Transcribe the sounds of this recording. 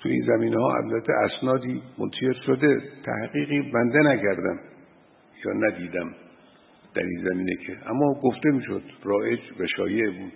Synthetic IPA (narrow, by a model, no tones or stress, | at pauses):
t̪ʰuḭːnzæmiːnehɒːʔæ̰blæt̪ʰːḛʔæsnɒːd̪iːmont̪ʰæʃeɾʃod̪e̞t̪ʰæ̰hɢiːɣiːbænd̪enækæɾd̪æm | jɒ̰ːnæd̪iːd̪æm | d̪̥æ̰ɾḭnzæmiːnḛkʰeʔæmːɒːɡoft̪e̞miːʃo̰d̪̥rɒːʔed͡ʒvæʃɒ̰ːjeʔbuːd̪̥